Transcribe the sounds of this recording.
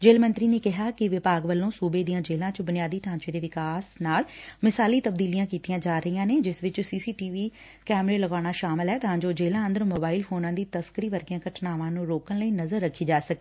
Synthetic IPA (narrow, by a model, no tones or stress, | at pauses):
d͡ʒeːlmənt̪ɾiːneːkɪɦaːkɪʋɪpaːɡʋəlːõːsuːbeːd̪ijãːd͡ʒeːlãːt͡ʃbʊnɪjaːd̪iːt̪əɦãːt͡ʃeːd̪eːʋɪkaːsnaːlmɪsaːliːt̪əb̚d̪iːlijãːkiːt̪ijãːd͡ʒaːɾəijãːneːd͡ʒɪsʋɪt͡ʃsiːsiːʈiːʋiː | kɛːmɾeːləɡaːɽ̃aːʃaːmɪlɦɛːt̪əɦãːd͡ʒoːd͡ʒeːlãːə̃nd̪əɾmoːbaːilpʰoːnãːd̪iːt̪əskəɾiːʋəɾɡɪãːkəʈʰnaːʋãːnũːɾoːkəɳləiːnəzəɾːəkʰːiːd͡ʒaːsək̚eː